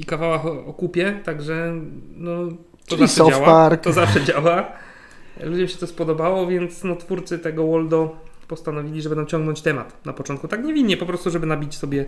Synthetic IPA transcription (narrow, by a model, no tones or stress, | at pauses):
ikavawaxɔɔkupʲjɛt̪aɡʐɛnɔ | t̪ɔzaiʂsɛɔawaaɾt̪ɔzafʂɛd͡ʑawa | lud͡ʑɛmɕɛt̪ɔspɔd̪ɔbawɔvʲjɛnt̪snɔt̪fuɾt̪sɘt̪ɛɡɔwɔld̪ɔpɔst̪anɔvʲilʲiʐɛbɘnamt͡ɕɔ̃ŋɡnɔɲt͡ɕt̪ɛma̰t̪napɔt͡ʂɔ̃nt̪̚kut̪akɲɛvʲinɲɛpɔpɾɔst̪uʐɛbɘnabʲit͡ɕsɔbʲjɛ